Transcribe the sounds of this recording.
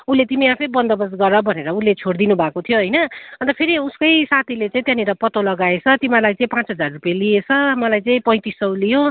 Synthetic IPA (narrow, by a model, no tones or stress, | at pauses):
unlet̪imiapʰʌjbʌnd̪ʌbʌsɡʌrʌbʱʌneɾʌunlːet͡sʰoɽd̪inubʱakot̪ʰijoɦʌjnʌʌnt̪ʌpʰeɾiuskʌjsat̪ʰilet͡sãĩt̪jãniɾʌpʌt̪olʌɡaet͡sʰʌt̪imalajt͡saĩpãt͡sɦʌd͡zarrupjaliet͡sʰʌmʌlajt͡saĩpʌj̃t̪isʌwlijo